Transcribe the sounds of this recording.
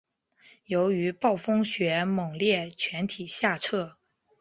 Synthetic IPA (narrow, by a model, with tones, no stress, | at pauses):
jo˧˥ʊy˧˥pɑ˥˩ʊfɤ˥ŋɕɥɛ˧˥mɤ˨˩ŋljɛ˥˩t͡ɕʰɥɛ˧˥nt̪ʰi˨˩ɕja˥˧ʈ͡ʂʰɤ˥˩